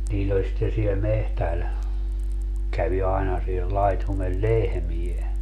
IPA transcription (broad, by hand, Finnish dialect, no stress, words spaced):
niːlː olʲ sitːe siel mehtæl kæʋi ɑinɑ siel lɑitumel lehmie